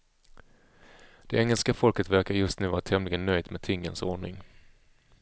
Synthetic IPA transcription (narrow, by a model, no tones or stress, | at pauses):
d̪̥ɛɛŋːəlskafɔlkət̪væɾkaɾjɵst̪nʉ̟ːvɑːɾat̪ʰɛmlɪɡənːœjd̪meːt̪ʰɪŋːənsoːɳɪ̰ŋ